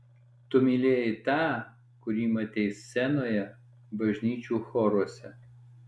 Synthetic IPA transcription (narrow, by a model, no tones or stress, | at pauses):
t̪ʊmʲilʲeːjɪt̪ɑː | kʊɾʲiːmɐt̪ʲɛɪssʲɛnoːjɛ | bɐʒʲnʲiːt͡ʃʲuːxɔːɾoɔsʲɛ